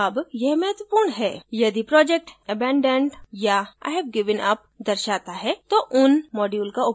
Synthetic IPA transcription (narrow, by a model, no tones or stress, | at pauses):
ɐbjɛɦmɛɦət̪ʋəpuːɾɳɦɛːjɐd̪ipɾɔːd͡ʒek̚ʈɛbɛ̃ːɳɖəɳɖjaa̰ːɪɦɛbɡɪʋənɐp̚d̪ɐɾʃaːt̪aɦɛt̪oʔʊnmɔːɖjuːlkaʊ